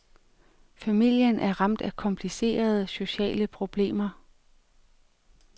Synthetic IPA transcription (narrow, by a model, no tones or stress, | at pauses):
fæmil̰jənʔæɐʁɑ̈m̰d̥ækʰɒ̽mpʰlise̝̰ːɐð̞ˠəso̝ɕɛ̰ːləpʰʁo̝b̥le̝̰ːmɐ